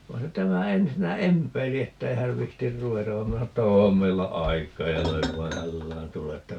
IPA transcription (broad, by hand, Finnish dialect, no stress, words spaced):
ʋɑi̯ se tæmæ ensinːæ empˑeili etːei hæʋ ʋihtir ruʋetɑʋ ʋɑ minæ sɑno etːæ oːm meilːæ ɑikˑɑː jɑ løiʋ ʋɑː hælːæːn tule etːæ